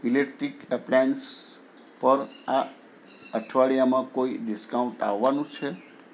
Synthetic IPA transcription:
ilek̚ʈɾikplɛns | pəɾa | əʈʰʋaɭijamãkoiɖɪskaũɳʈa̰ʋːanũt͡ʃʰe

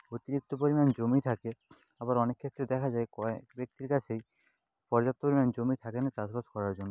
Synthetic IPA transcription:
ot̪iɾik̚t̪op̬oɾimand͡ʑomit̪ʰake | abaɾɔnekʰːet̪ːɾed̪ɛkʰad͡ʑaekɔbek̚t̪iɾkat͡ɕʰej | pɔɾd͡ʑap̚t̪opoɾimand͡ʑomit̪ʰakenat͡ɕaspaskɔɾaɾd͡ʑonːo

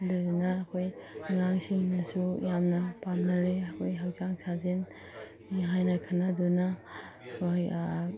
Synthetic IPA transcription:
dɯɾnɐːkʰojŋaŋsiŋnasujamnɐpamnaɾeɐkʰojɦak̚zaŋsazen | iɦajnɐkʰanaduna | kʰoj

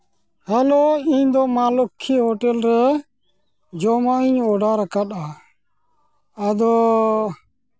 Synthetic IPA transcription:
hɛloiɲd̪ɔmalɔkʰːiɦɔʈɛlɾɛ | d͡ʒɔmaiɲɔɖaɾakat̪a | ad̪ɔ

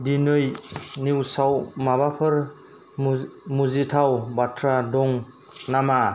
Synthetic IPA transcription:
dinɯjniwsawmabapʰɯɾ | muzitʰawbatʰɾadɔŋ | nama

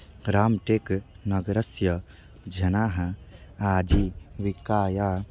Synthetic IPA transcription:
ɾaːmʈeːk | nɐɡɾɐsjɐ | d͡ʒʱɐnaːɦɐaːd͡ʒiʋikaːjaː

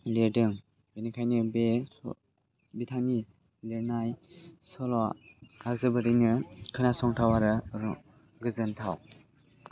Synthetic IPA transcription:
ledɯŋ | benikʰajnɯbe | bitʰani | leɾnajsɔlɔazɯbɯɾinɯkʰɯnasɔŋtʰawaɾɯɾ | ɡɯzɯntʰaw

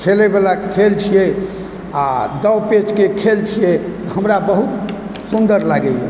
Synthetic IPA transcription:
kʰelebelakʰelt͡ʃʰijɛ | ad̪əwpet͡ʃkekʰelt͡ʃʰijɛt̪ɔhəmɾabəɦut̪ | sund̪əɾlaɡɛje

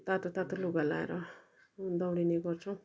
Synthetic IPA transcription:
t̪at̪ot̪at̪uluɡalaḛɾʌ | d̪ʌwɽineɡʌrt͡sʰu

